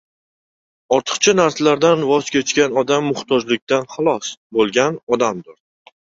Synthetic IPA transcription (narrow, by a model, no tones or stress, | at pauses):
ɒɾt̪ʰɨ̥qt͡ʃʰanaɾslaɾd̪anvɒzkʲʰet͡ʃkʲanɒd̪amːʊχt̪ʰɒd͡ʒlɪkʲt̪ʰanχɑlˠɒsbolˠɡʲanɒd̪amd̪ʊɾ